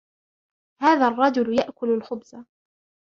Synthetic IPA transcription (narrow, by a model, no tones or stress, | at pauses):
haːðarˤːɑd͡ʒʊljaʔkʊlalxʊbza